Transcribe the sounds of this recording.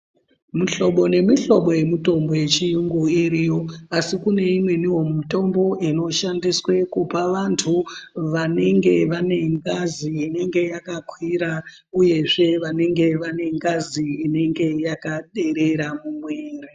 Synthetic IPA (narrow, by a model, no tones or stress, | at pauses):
muɬo̞ɓo̞ne̞miɬo̞ɓo̞je̞muto̞mbo̞je̞t͡ʃijuŋɡuiɾijo̞asikune̞imwe̞niwo̞mito̞mbo̞ʔino̞ʃandiswe̞kupaʋantʰuʋane̞ŋɡe̞ʋane̞ŋɡaziːne̞ŋɡe̞jakakwiɾa | uje̞ʐe̞ʋane̞ŋɡe̞ʋane̞ŋɡaziːne̞ŋɡe̞jakaɗe̞ɾe̞ɾamumweːre